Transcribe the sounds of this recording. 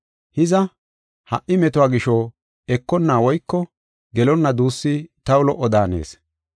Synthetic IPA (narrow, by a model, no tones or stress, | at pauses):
hɪzɐ | hɐ̰ʔʔɪmɛt̪ʊaːɡɪʃɔ | ɛkːɔnːaːwɔjkːɔ | ɡɛlɔnːɐd̪uːsːit̪ɐwʊlɔʔːɔd̪aːnḛːs